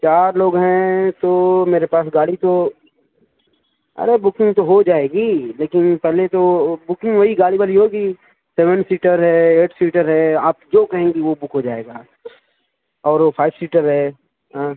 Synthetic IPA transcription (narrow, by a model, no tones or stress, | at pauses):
t͡ʃaːɾloːɡɦɛ̃t̪omeːɾepaːsɡaːlit̪o | ɐ̰ɾebʊkɪ̃ŋɡt̪oɦod͡ʒaːeːɡiːleːkɪnpɛɦlet̪obʊkɪ̃ŋɡʋɐɦiɡaːlibaliɦoːɡi | sɛʋə̃nsiːʈəɾɦɛeːʈʰsiːʈəɾɦɛaːp̚d͡ʒoːkɐɦẽːŋɡiʋobʊkʰɦod͡ʒaːeːɡaː | ɔːɾfʰaːɪʋsiːʈəɾɦɛː | ɦãː